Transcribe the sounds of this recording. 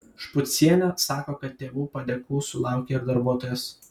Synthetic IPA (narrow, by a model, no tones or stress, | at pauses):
ʃpʊt̪ʲsʲiɛnʲosɑːkoːkɐt̪ʲt̪ːʲeːʋuːpɐd̪ʲɛkuːsʊlˠɑˑʊkʲeːɪɾd̪ɐɾbuɔt̪oːjɛs